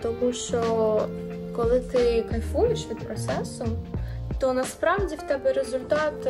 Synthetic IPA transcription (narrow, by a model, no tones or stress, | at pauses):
t̪ɔmuʃt͡ʃɔ | kɔlˠɪt̪ɪkɐjfujeʃʋʲid̪pɾɔt̪sɛsʊt̪ɔnɐspɾɑwdʲiwt̪ɛbɛɾezʊlʲt̪ɑt̪